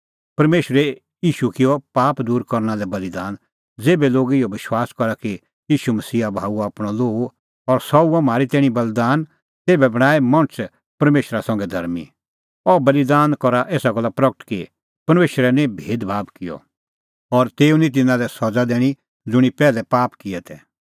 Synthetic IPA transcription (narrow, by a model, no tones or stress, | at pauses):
pɐɾmeːʃɾɛ | jiːʃukɪjɔpaːpd̪uːɾkɔɾnalɛbɐlid̪aːn | d͡zeːbɛloːɡɪjɔbɪʃwaːskɔɾaki | jiːʃumɐsiːabʱaːuaːpɽ̃ɔloːɡ | ɔɾsɔuɔmaːɾit̪ɛːɽ̃ibɐld̪aːn | t̪eːbɛbɐɽ̃aːemɐ̃ñt͡s | pɐɾmeːʃɾasɐ̃ŋɡɛd̪ʱɐɾmḭ | ɔbɐlid̪aːnkɔɾaʔeːsaɡɔlapɾɐɡəʈki | pɐɾmeːʃɾɛnɛ̃bʱeːd̪bʱaːbkɪjɔ̰ | ɔɾt̪eːunĩt̪̬ɪnãlɛsɔd͡zad̪eːɽ̃i | d͡zʊɽ̃ipɛːlɛpaːpkɪɛt̪ʰɛ